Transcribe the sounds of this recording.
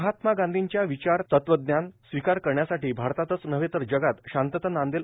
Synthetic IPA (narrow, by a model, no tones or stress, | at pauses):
ɦat̪maɡãnd̪ʱiɲt͡ɕjaʋit͡ɕaɾt̪ət̪ʋəd̪njansʋikaɾkəɾɳjasaʈiːbʱaɾt̪at̪ət͡snəʋet̪əɾd͡ʑəɡat̪ɕãnt̪ət̪ənand̪el